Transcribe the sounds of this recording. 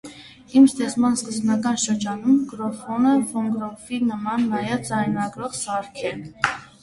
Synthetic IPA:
imst̪ɛt͡smɑnskəzbnɑkɑnʃəɾd͡ʒɑnumɡɾɔfɔnəvɔŋɡɾɔfinəmɑnːɑjɛvd͡zɑjnɑɡɾɔʁsɑɾkʰɛ

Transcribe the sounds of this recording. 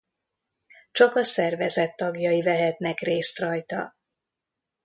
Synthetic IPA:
t͡ʃɒkɒsɛrvɛzɛt̪ːɒɡjɒivɛɦɛt̪nɛkreːst̪rɒjt̪ɒ̰

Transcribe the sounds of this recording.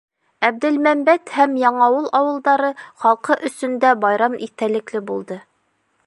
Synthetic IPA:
æb̚d̪ɘlmæmbæt̪hæmjɑɴɑwɤlˠʔɑwɤ̆lˠd̪ɑɾɤχɑlˠqɤʔɵ̆sɵ̆nd̪æbɑjɾɑmit̪ælɘ̆klɘbulˠd̪ɤ

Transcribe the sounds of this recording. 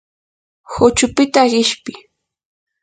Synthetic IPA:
hʊt͡ʃʊpɪt̪aɢɪʃpɪ

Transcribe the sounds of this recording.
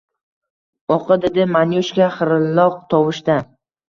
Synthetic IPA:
ɒqʰɨd̪ed̪ɪmanjoʃkʲaχɨɾɪlːɒq̚t̪ʰɒwɪʃt̪a

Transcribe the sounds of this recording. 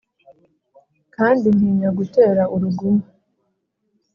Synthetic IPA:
kaːndin̥hiːɲaɡute̞ːɾaʔuɾuɡuma

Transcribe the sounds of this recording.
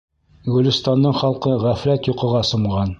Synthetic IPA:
ɡɵ̆lɵ̆st̪ɑndːɤɴχɑlˠqɤʁæfɾæt̪juqɤ̆ʁɑsŏmʁɑn

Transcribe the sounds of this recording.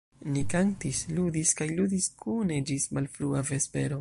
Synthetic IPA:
nikantisludiskajlud̪iskʰune̞d͡ʒismalfɾuave̞spe̞ɾo̞

